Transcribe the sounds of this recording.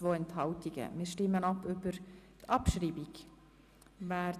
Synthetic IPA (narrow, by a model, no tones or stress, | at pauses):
voːɛnthɑʊtɪɡ̥ə̰mɪːʃtɪmːənɑpʰybəɾtʰɑpʃɾiːbiɡ | vaː